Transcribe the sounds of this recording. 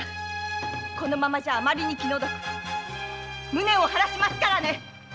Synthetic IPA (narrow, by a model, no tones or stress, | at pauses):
ko̞no̞mamaʑaːmaɾʲiɲ̟ikʲino̞d̪okɯ̟̥ | mɯ̟ne̞o̞haɾaɕimasɨ̥kaɾane̞